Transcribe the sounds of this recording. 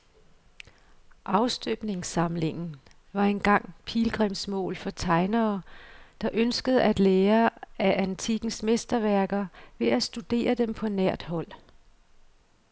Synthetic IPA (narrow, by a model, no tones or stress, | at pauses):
ʔɑ̈ʊsd̥øb̥ne̝ŋsɑ̈mle̝ŋn̩ | ʋɑ̈enɡ̥ɑ̈ŋ̰pʰiːlɡ̥ʁɛmsmɔ̰̽ːlfɒ̽t͡sʰɑ̈ɪnɐːd̥ɑ̈ʔønsɡ̥əð̞̩ˠæd̥leːɐæʔænt͡sʰiɡ̥n̩smesd̥ɐʋæɐɡ̥ɐʋe̝æsd̥ud̥e̝̰ːɐd̥empʰɒ̽næɐ̰d̥hɒ̽l̰